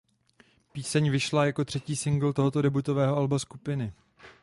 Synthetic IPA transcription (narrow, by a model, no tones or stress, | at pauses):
piːsɛɲvɪʃlajakot̪r̝̥ɛciːsɪŋɡl̩t̪o̞ɦo̞t̪o̞dɛbut̪o̞vɛːɦo̞albaskupɪnɪ